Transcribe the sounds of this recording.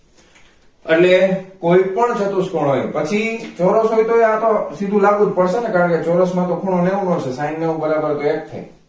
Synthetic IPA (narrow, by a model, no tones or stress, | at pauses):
ḛʈlekoipəɳt͡ʃʰət̪uskoɳɦojpət͡ʃʰit͡ʃɔɾəsɦojt̪oeat̪osid̪ʱũlaɡũd͡ʒpəɽʃenekaɾə̃ket͡ʃɔɾəsmãt̪okʰuɳ̃oneʋũnot͡ʃʰesainːeũbəɾabəɾt̪oek̚t̪ʰːa̰j